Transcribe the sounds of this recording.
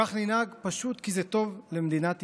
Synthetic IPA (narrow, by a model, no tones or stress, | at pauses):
aχninhaɡpaʃut̪kizɛt̪o̞vlemd̪inat̪